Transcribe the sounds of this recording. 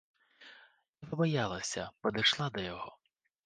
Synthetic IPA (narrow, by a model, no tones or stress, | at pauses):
ipɔbɔjalˠɐsʲɐpɔd̪ɐjʃlˠad̪ɔjɔɦɔ